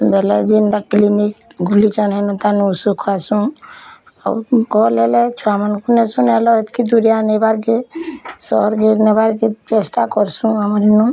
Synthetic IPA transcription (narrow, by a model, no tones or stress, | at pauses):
bɛled͡ʒinɖakːiliniɡʱulit͡ʃɔnɦɛnũt̪anusukʰasũ | a̰ɡɔlelet͡ʃʰuamankunɛsunelɔet̪kʰid̪uɾijanebaɾkesɔɾɡeɾnebaɾket͡ʃesʈakɔɾsũamɾinu